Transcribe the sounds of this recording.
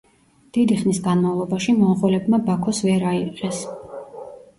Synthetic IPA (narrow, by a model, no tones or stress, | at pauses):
d̪̥id̪iχnisɡanmavlˠɔbaʃimɔnχɛlɛbmabakʰɔsvɛɾaiqʼɛs